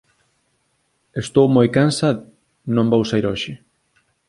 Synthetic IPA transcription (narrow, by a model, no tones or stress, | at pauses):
est̪owmojkansa | nõmbowsaiɾɔʃɪ